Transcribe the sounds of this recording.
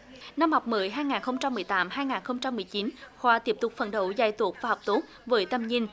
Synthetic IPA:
na˧mha˨˩wk͡p̚mɨ˨˦jɦaː˧jŋaː˨˩nxə˧wŋ͡mt͡ɕa˧mːɨ˨˩əjt̪aː˨˦mhaː˧jŋaː˨˩nxə˧wŋ͡mt͡ɕa˧mːɨ˨˩əjt͡ɕi˨˦nxwaː˧t̪i˦˥əp̚t̪ʊ˨˩k͡p̚fə̰˨˩nɗə˧˩wza˧˩jt̪u˨˩ək̚vaː˨˩ɔ˨˩wk͡p̚t̪o˦˥k̚vəː˨˦jt̪ə˧mɲi˧n

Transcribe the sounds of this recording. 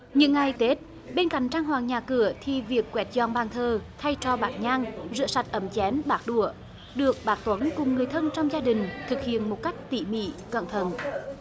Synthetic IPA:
ɲɨ̰˧˥ŋːa˨˩jt̪e˦˥t̚ | ɓe˧nka̰˧˥˨ŋ̟t͡ɕaː˧ŋhwaː˨˩ŋɲaː˨˩kɨ˧˩ət̪ʰi˨˩vi˨˩əkːwɛ˨˦˥t̚zɔ˧˩nɓaː˨˩ŋt̪ʰəː˨˩t̪ʰa˧jt͡ɕɔ˧ɓaː˨˩k̚ɲaː˧ŋzɨ̰˧˥sa˨˩jt̚ʔə˨˦mt͡ɕɛ˨˦nɓaː˦˥k̚ɗu˧˩ə | ɗɨ˨˩ək̚ɓaː˨˦˥k̚t̪wə˨˦nkʊ˨˩ŋ͡mŋɨ˨˩əjt̪ʰə˧nt͡ɕɔ˧wŋ͡mzaː˧ɗï˨˩ŋ̟t̪ʰɨ˨˩k̚hḭ˧˨ənmo˨˩t̚ka˦˥jk̟̚t̪ḭ˧˨mḭ˧˥˨kə̰˧˨nt̪ʰə˨˧˩n

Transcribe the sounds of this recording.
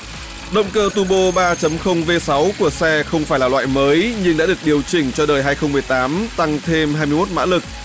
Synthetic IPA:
ɗə̰˧˨wŋ͡mkəː˧t̪u˧ɓo˧ɓaː˧t͡ɕə˨˦mxə˧wŋ͡mve˧sa˨˦wku˧˩əsɛ˧xə˧wŋ͡mfaː˧˩jlaː˨˩lwa̰ː˧˨jməː˨˦jɲɨ˧ŋɗa̰ː˧˥ɗɨ˨˩ək̚ɗi˨˩əwt͡ɕï˧˩ŋ̟t͡ɕɔ˧ɗəː˨˩jɦaː˧jxə˧wŋ͡mmːɨ˨˩əjt̪aː˨˦mt̪a˧ŋt̪ʰe˧mhɦaː˧jmɨ˧jmo˦˥t̚ma̰ː˧˥lɨ˨˩k̚

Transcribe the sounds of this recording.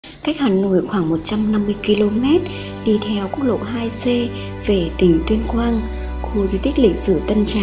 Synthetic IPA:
ka˦˥jk̟̚haː˨˩no̰˧˩˨jxwaː˧˩ŋmo˨˩t̚t͡ɕa˧mna˧mːɨ˧əjki˧lo˧mɛ˦˥t̚ | ɗi˧t̪ʰɛ˧wku˦˥ək̚lo̰˧˨ɦaː˧jse˧ | ve˨˩t̪i˧˩ŋt̪wi˧ənkwaː˧n | xu˧zi˧t̪ï˦˥k̚lḭ̈˧˨k̟̚sɨ˧˩ət̪ə˧nt͡ɕa̰ː˧˨

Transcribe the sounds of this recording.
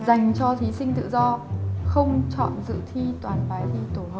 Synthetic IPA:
za˨˩jŋ̟t͡ɕɔ˧t̪ʰi˨˦sï˧ŋ̟t̪ɨ̰˧˨zɔ˧xə˧wŋ͡mt͡ɕɔ̰˧˨nzɨ̰˧˨t̪ʰi˧t̪waː˨˩nfaː˨˦jt̪ʰi˧t̪o˧˩həː˧˩˨

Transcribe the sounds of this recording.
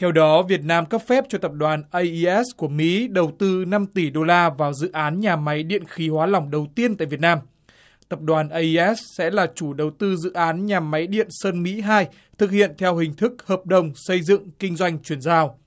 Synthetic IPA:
t̪ʰɛ˧wɗɔ˨˦vi˨˩ət̚naː˧mkə˦˥p̚fɛ˦˥p̚t͡ɕɔ˧t̪ə˨˩p̚ɗwaː˨˩nʔə˧jʔi˧ʔɛ˦˥sku˧˩əmḭ˧˥ɗə˨˩wt̪ɨ˧na˧mt̪i˧˩ɗo˧laː˧vaː˨˩wzɨ̰˧˨ʔaː˨˦nɲaː˨˩ma˨˦jɗḭ˧˨ənxi˨˦hwaː˨˦la˨˧˩wŋ͡mɗə˨˩wt̪i˧ənt̪a̰ː˧˨jvi˨˩t̚naː˧m | t̪ə˨˩p̚ɗwaː˨˩nʔə˧ji˧ʔɛ˦˥ssɛ̰˧˥laː˨˩t͡ɕu˧˩ɗə˨˩wt̪ɨ˧zɨ̰˧˨ʔaː˨˦nɲaː˨˩ma˨˦jɗḭ˧˨ənsəː˧nmḭ˧˥ɦaː˧j | t̪ʰɨ˨˩k̚hḭ˧˨ənt̪ʰɛ˧wɦï˨˩ŋ̟t̪ʰɨ˦˥k̚həː˨˩p̚ɗə˨˩wŋ͡msə˧jzɨ̰˧˨ŋkï˧ŋ̟zwa˧jŋ̟t͡ɕwi˧˩ənzaː˧w

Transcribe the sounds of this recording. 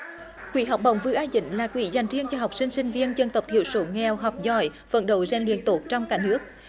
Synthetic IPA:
kwḭ˧˨˦ɦa˨˩wk͡p̚ɓə̰˨˩wŋ͡mvɨ˧˦ʔaː˧zḭ˧˦ŋ̟laː˨˩kwḭ˧˨˦za˨˩jŋ̟t͡ɕi˧ənt͡ɕɔ˧ɦa˨˩wk͡p̚sï˧ŋ̟sï˧ŋ̟vi˧ənt͡ɕə˧nt̪ə˨˩wk͡p̚t̪ʰḭ˧˨əwso˧˨˦ŋɛ˨˩wɦɔ˨˩wk͡p̚zɔ˧˩j | fə̰˧˥nɗo̰˧˩zɛ˧˩nlwḭ˧˨ənt̪o˨˩t̚t͡ɕɔ˧wŋ͡mkaː˧˩nɨ˦˥ək̚

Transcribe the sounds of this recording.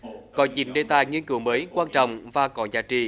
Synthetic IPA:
kɔ˨˦t͡ɕḭ˨˩˦nɗe˨˩t̪aː˨jŋi˧ənkɨ˨˦wməː˨˦jkwaː˧nt͡ɕɔ̰˧˨wŋ͡mvaː˨˩kɔ˨˦zaː˨˦t͡ɕḭ˧˨

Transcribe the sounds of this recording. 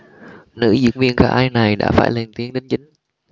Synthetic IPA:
nɨ̰˧˥zɨ̰˧˥əŋvḭ˧ənkaː˧˩ʔaː˧jna˨˩jɗa̰ː˧˥fa̰ː˧˩jle˨˩nt̪i˨˦əŋɗe˨˦nt͡ɕï˨˦ŋ̟

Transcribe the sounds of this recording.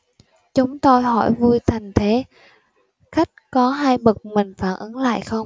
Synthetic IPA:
t͡ɕʊ˨˦ŋ͡mt̪o˧jɦɔ˧˩jvu˧jt̪ʰa˨˩jŋ̟t̪ʰe˨˦ | xa˦˥jk̟̚kɔ˨˦ɦaː˧jɓə˨˩k̚mï˨˩ŋ̟faː˧˩nʔə˨˦nla̰ː˧˨jxə˧wŋ͡m

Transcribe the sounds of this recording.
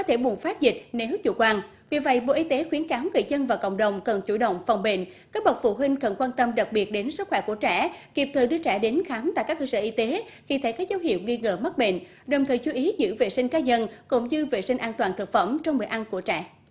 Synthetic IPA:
kɔ˨˦t̪ʰe˧˩ɓu˨˩ənfaː˦˥t̚zï˨˩k̟̚ne˨˦wt͡ɕṵ˧˩kwaː˧n | vḭ˨˩və̰˧˨jɓo̰˧˨ʔi˧t̪e˨˦xwi˨˦ənkaː˨˦wŋə̰ː˧˨jzə˧nvaː˨˩kə̰˧˨wŋ͡mɗə˨˩wŋ͡mkə˨˩nt͡ɕu˧˩ɗə̰˧˨wŋ͡mfa˨˩wŋ͡mɓḛ˧˨nkaː˦˥ɓə˨˩t̚fṵ˧˩ɦwi˧ŋ̟kə˨˩nkwaː˧nt̪ə˧mɗa˨˩k̚ɓi˨˩ət̚ɗe˨˦nsɨ˦˥t̚xwɛː˧˩ku˧˩ət͡ɕɛ̰˧˩ki˨˩əp̚t̪ʰəː˨˩jɗɨ˧ət͡ɕɛ̰˧˩ɗe˨˦nxaː˨˦mt̪a̰ː˧˨jkaː˦˥k̚ːəː˧səː˧˨ʔi˧t̪e˨˦xi˧˩t̪ʰə˨˦jkaː˦˥k̚zə˨˦wɦhḭ˧˨əwŋi˧ŋə̰ː˧˩mə˦˥t̚ɓḛ˧˨n | ɗə˨˩wŋ͡mt̪ʰəː˨˩jt͡ɕu˨˦ʔi˨˦zɨ̰˧˥ve˨˩sï˧ŋ̟kaː˨˦ɲə˧nkʊ̰˧˩ŋ͡mzɨ˧ve˨˩si˧ŋ̟ʔaː˧nt̪waː˨˩nt̪ʰɨ˨˩t̚fə˧˩mt͡ɕɔ˧wŋ͡mɓəː˨˩˨ʔa˧nku˧˩ət͡ɕɛ̰˧˩

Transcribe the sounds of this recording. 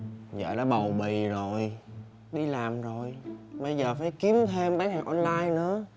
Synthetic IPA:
za̰ː˧˨la̰ː˧˦ɓə˨˩wɓḭ˧˨zo˨˩j | ɗi˧laː˨˩mzo˨˩jɓə˧jzəː˨˩faː˨˩˦jki˨˦əmt̪ʰe˧mɓaː˨˦˥nɦaː˨˩ŋʔɔ˧nlaː˧jnɨ̰˧˥ə

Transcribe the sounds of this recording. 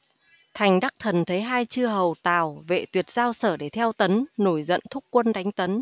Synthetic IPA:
t̪ʰa˨˩jŋ̟ɗa˦˥k̚t̪ʰə˨˩nt̪ʰe˨˦ɦaː˧jt͡ɕɨ˧əɦə˨˩wt̪a̰ː˨˩wvḛ˧˨t̪wi˨˩ət̚zaː˧wsəː˧˩ɗe˧˩t̪ʰɛ˧wt̪ə˨˦nno˧˩jzə̰˧˨nt̪ʰʊ˦˥k͡p̚kwə˧nɗa˨˦jŋ̟t̪ə˨˦n

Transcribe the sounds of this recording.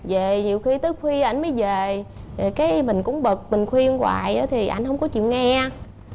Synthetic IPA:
zə˨˩ɲi˨˩əwxi˧t̪ɨ˦˥ək̚xwi˧ʔa˧jŋ̟məː˨˦jve˨˩˨kaː˨˦jmï˨˩ŋ̟kʊ̰˧˥ŋ͡mɓə˨˩k̚mï˨˩ŋ̟xwi˧ənkwa̰ː˨˩jʔə̰ː˨˦t̪ʰi˨˩ʔa˧jŋ̟hə˧wŋ͡mkɔ˨˦t͡ɕḭ˧˨ənŋɛ˧

